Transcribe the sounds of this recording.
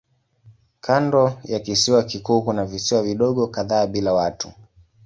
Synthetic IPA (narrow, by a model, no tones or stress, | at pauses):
kʰandɔjakisiwakikuːkunavisiwaviɗɔɠɔkaðaːɓilawatu